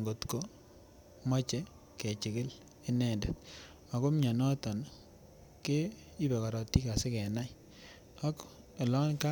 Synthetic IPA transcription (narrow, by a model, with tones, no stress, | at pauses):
ŋɡo˨tko˦ | ma˦t͡ʃɛ˦ | ke˨t͡ʃɪ˨kɪ˦l | e˦nɛ˨ndɛ˨t | a˨ko˦mɲɔ˨nɔ˦tɔ˨n | ke˦ | i˦bɛ˨ka˨ɾɔ˨tːi˦ka˨se˦kɛ˨na˦j | a˦k | e˨lɔ˦nka˦